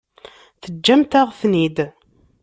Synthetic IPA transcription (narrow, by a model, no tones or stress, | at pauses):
θəd͡ʒːæmt̪æʁθnid̪